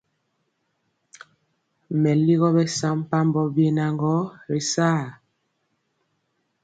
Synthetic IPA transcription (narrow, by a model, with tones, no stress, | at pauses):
mɛ˨li˦ɣɔ˦bɛ˦sa˦m˦pa˦m˦bɔ˨bje˨na˨ŋɡɔ˦ɾi˨saː˦˨